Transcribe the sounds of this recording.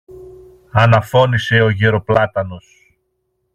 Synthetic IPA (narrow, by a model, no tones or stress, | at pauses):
ɐnɐfo̞nise̞o̞ʝeɾo̞plɐt̪ɐno̞s